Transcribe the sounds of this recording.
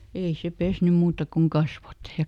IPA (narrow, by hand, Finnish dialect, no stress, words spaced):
ei se pesnym muːtɑ koŋ kɑsʋot jɑ